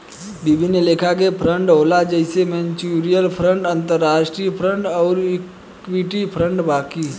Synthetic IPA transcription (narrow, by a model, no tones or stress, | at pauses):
bibʱineleːkʰakepʰɾə̃ɳɖɦoːlad͡ʒəɪsemẽnt͡ʃiɾijəlpʰɾə̃ɳʈə̃nt̪əɾːaːʃʈɾipʰɾə̃ɳɖɔːɾɪk | wiʈipʰɾə̃ɳɖbaːki